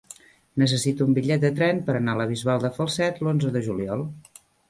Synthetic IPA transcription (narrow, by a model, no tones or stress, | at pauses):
nəs̬əsit̪umbiʎɛt̪̚d̪ət̪ɾɛnpəɾənaləβizβalˠd̪əfəlˠsɛt̪lonzəðəʒuliɔlˠ